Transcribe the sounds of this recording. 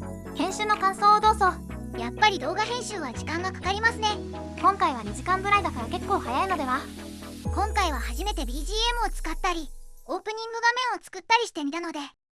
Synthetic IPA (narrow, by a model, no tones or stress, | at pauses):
kẽ̞ɰ̃ɕɨːnokãso̞ːad̪oːzo | japːaɾʲid̪o̞ːɡaɦẽ̞ɰ̃ɕɨːβaʑikãŋɡakḁkaɾʲimasɨne̞ | kõ̞ŋkaiβaɲ̟iʑikãmbɯ̟ɾaid̪akaɾake̞kːo̞ːhajaino̞d̪e̞βa | kõ̞ŋkaiβ̞ahaʑime̞t̪e̞bʲiːʑiːemɯ̟ot͡sɨ̥kat̪ːaɾʲio̞ːpɯ̟ɲ̟ĩŋɡɯ̟ɡamẽ̞ɰ̃o̞t͡sɨ̥kɯ̟t̪ːaɾʲiɕi̥t̪e̞mʲit̪ano̞d̪e̞